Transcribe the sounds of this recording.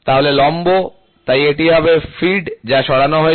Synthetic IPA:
t̪aɦolelɔmbo | t̪ajeʈiɦɔbefiɖd͡ʑaʃɔɽanoɦoe

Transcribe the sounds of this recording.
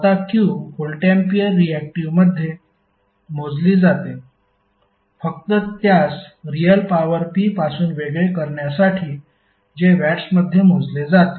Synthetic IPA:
at̪akiuholʈempiəɾːiæk̚ʈiʋməd̪ʱːje | m̤od͡zliːd͡zat̪e | fək̚t̪ət̪jasɾijəlpaʋəɾpiːpasuːnʋeɡɭekəɾɳjasaʈʰiː | d͡ʑeʋæʈsməd̪ʱːjem̤od͡zled͡zat̪e

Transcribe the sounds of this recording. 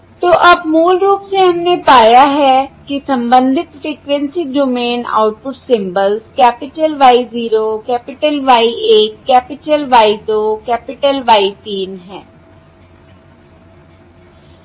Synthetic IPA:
t̪oːʔɐbmuːlɾuːpseɦəmnepaːjaɦɛːkisə̃mbə̃nd̪ʱɪt̪fɾiːkʋɛ̃nsiːd͡ʒomeːna̰ːʊʈ̚pʊʈsɪ̃mbəlzkɛːpɪʈəlʋaːiziːɾoːkɛːpɪʈəlʋaːieːkːɛːpɪʈəlʋaːid̪oːkɛːpɪʈəlʋaːit̪iːnɦɛ̃ː

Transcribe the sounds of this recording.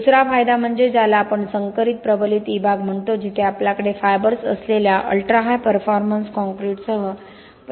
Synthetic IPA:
d̪usɾafajd̪am̤əɳd͡zed͡zalaːpəɳsəŋkəɾit̪̚pɾəbəlit̪ibʱaɡm̤əɳt̪od͡ʑit̪ʰeapljakəɽefajbəɾsə̰sleljaʔə̰lʈɾaɦajpəɾfɔɾmənskɔ̃ŋkɾiʈsəɦə | p

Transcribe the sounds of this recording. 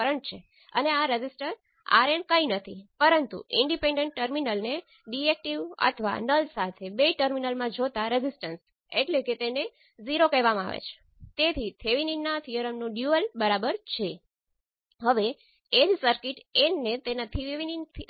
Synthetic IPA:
əɾəɳʈ̚t͡ʃʰe | ə̰neaɾed͡ʒisʈəɾ | a̰ɾenkəinət̪ʰipəɾənt̪ṵʔɪɳɖipẽɳɖeɳʈ̚ːəɾminəlne | ɖiek̚ʈiʋə̰t̪ʰəʋa̰nəlsat̪ʰebeʈəɾminəlmãd͡ʒot̪aɾezisʈəns | eʈleket̪ene | ziɾokəɦʋamãa̰ʋḛt͡ʃʰe̥ | t̪et̪ʰit̪ʰeʋininːat̪ʰijəɾəmnũɖjuəlbəɾabəɾt͡ʃʰe | ɦəʋe | ed͡ʒsəɾkiʈennet̪enat̪ʰiʋʋinint̪ʰ

